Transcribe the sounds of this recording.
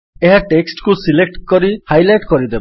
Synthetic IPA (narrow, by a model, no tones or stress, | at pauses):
eɦaʈeksʈkusilek̚ʈkɔɾihajlajʈkɔɾid̪eb